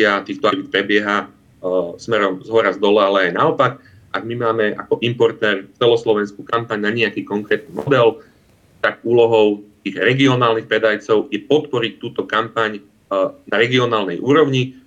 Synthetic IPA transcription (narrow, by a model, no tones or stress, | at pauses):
at̪iːxt̪ɔʋit̪̚pɾɛbɪɛɦa | smɛɾɔmzɦɔɾazd̪ɔlɛalɛajnaɔpak | aɡ̚mimaːmɛʔa̰kɔʔimpɔɾt̪ɛːɾt͡sɛlɔslɔʋɛnskukampaɲnaɲɛakiːkɔŋkɾɛːt̪̚nimɔ̰d̪ɛl | t̪aɡuːlɔɦɔʊt̪iːɣɾɛɡiɔnaːlnixpɾɛd̪ajt͡sɔʊjɛpɔt̪pɔɾic̚t̪uːt̪ɔkampaɲ | naɾɛɡiɔnaːlnɛjʔuːɾɔʊɲi